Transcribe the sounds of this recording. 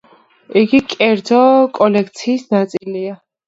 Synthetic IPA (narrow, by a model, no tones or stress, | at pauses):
iɡikʼɛɾd̪zɔkʼɔlɛkʰt̪sʰiːsnat̪sʼilia